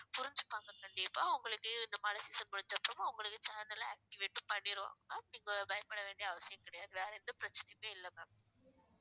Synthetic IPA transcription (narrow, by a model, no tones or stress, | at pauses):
pʊɾɪɲd͡ʒɯpːaːŋɡɐkɐɳɖɪɐpːoːɐʋʊŋɡɐɭɯkːɯɪnd̪ɐmɐnɐsisɐnpɐɽɯt͡ʃːɐpːɯɾɐmɐʋʊŋɡɐɭɯkːɯt͡ʃaːnɐlaːk̚ʈɪʋeʈːɯpɐɳːɪɾɯʋa̰ːŋɡɐnːaːniːŋɡɐbɐjɐpɐɽɐʋeːɳɖijɐʋɐsɪjɐ̃mkɪɽɐjaːðɯʋeːɾɐɪɾɯnd̪ɐpɪɾɐt͡ʃːɐnɐjɐmeːɪlːɐmɐːm